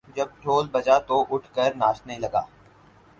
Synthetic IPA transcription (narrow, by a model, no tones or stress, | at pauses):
d͡ʒəb̚ʈʰoːlbɐd͡ʒat̪oʔʊʈʰkəɾnaːst̪nəɦĩlɐɡa̰ː